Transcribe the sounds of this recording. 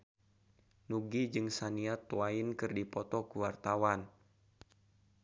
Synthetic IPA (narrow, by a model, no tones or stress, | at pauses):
nuɡid͡ʒɨŋsaniat̪uainkɨrdipɔt̪ɔkuwart̪awan